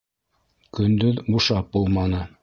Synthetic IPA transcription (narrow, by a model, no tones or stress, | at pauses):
kɵ̆nd̪ɵðbuʃɑp̚bulˠmɑnɤ